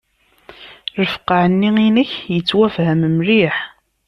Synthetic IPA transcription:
ɾəfə̥qaʕənːiinəçjət͡sːwæfhæmmɾiħ

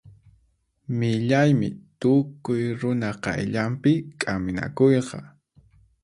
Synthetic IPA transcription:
mɪʎajmɪ̰t̪ʊkʊjɾʊnaqɑ̰jʎampɪkʼamɪna̰kojqɑ

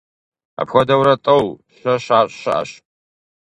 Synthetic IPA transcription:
a̰pʰxʷadawɾatʼowɕʷaʃaɕʷʼʃaʔa̰ʃʼ

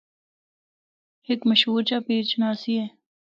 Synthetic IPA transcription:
hekməʃɦuːɾt͡ʃaːpeːt͡ʃnaːsieː

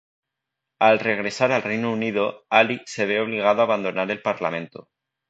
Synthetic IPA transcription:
alre̞ɣ̞ɾe̞saɾalrejnouniðo̞alise̞β̞eo̞βliɣ̞aðoaβ̞and̪o̞naɾe̞lpaɾla̰mẽ̞nt̪o

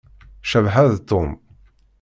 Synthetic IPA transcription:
ʃəvħæðt̪ʊm

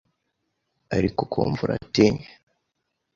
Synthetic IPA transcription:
aɾikokʰo̰ːɱvuɾʔa̰tiɲe

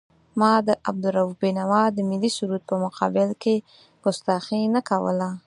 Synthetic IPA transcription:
mɑd̪əʔab̚d̪ʊɾawubinawɑd̪əmɪlisuɾut̪̚pəmʊqʰɑ̰bɪlke | pʊst̪axinakawə̰la

